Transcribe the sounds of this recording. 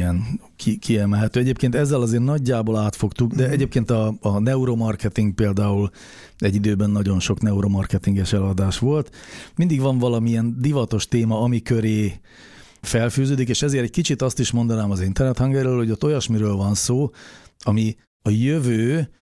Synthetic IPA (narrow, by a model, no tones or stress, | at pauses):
ɛn | kʰikʰiɛmɛlɦɛt̪øːɛɟeːpkeːnt̪ɛzːɛlɒzeːrnɒɟːaːboːlaːt̪fo̞kt̪uɡd̪ɛɛɟeːp̚keːnt̪ɒːnɛuɾomɒrkɛt̪iŋɡ̚peːld̪aːul | ɛɟːid̪øːbɛnːɒɟo̞nʃo̞knɛuɾomɒrkɛt̪iŋɡɛʃɛlɒd̪aːʃʋo̞lt̪mind̪iɡʋɒɱvɒlɒmiɛnd̪ivɒt̪o̞ʃt̪eːmɒɒmikøɾeː | fɛlfyːzøːd̪ikeːʃɛzeːɾɛc̚kit͡ʃit̪ɒst̪iʃmo̞nd̪ɒnaːmɒzint̪ɛrnɛt̪hɒŋɡɛɾøːlho̞ɟot̪ːo̞jɒʃmiɾøːlvɒnsoːɒmi | ɒjøvøː